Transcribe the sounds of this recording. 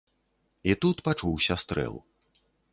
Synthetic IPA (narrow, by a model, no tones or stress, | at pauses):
it̪ut̪pat͡ʂuwsʲɐst̪ɾɛ̰lˠ